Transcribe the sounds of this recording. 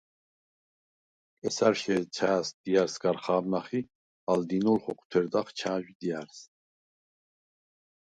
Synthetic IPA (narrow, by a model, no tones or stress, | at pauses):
kʼɛsaɾʃɛt͡ʃʰaːsd̪̥ijaɾsɡaɾχaːbnaχi | ald̪inulχɔkʰt̪ʰɛɾd̪aχt͡ʃʰaːʒid̪ijaɾs